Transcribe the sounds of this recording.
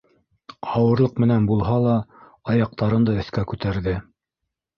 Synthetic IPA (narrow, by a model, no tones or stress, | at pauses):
ɑwɤ̆ɾlˠɤq̚mɘ̆nænbulˠɦɑlˠɑ | ɑjɑq̚t̪ɑɾɤnd̪ɑɵ̆θkækʉt̪æɾðɘ